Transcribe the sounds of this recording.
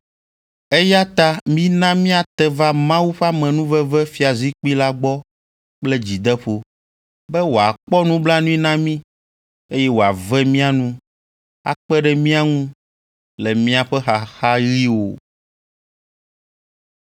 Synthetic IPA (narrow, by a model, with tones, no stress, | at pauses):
e˦ja˦t̪a˦mĩ˦nã˦mĩ˦a˨t̪ɛ˨va˦mã˦wu˦ɸa˦mɛ̃˨nũ˦vɛ˦vɛ˦fi˨a˨zi˦k͡pi˦la˦ɡ͡bɔ˦ | k͡plɛ˦d͡ʑi˨d̪ɛ˦ɸo˦ | bɛ˦wo˨a˨k͡pɔ˦nũ˦bla˦nũ˦ĩ˦nã˦mĩ˦ | e˦jɛ˦wo˨a˨vɛ˦mĩ˦a˨nũ˦ | a̰˨k͡pɛ˦ɖɛ˦mĩ˦a˦ŋũ˦ | lɛ˨mĩ˦a˨ɸɛ˦xa˨xa˦ɣi˦wo̰˨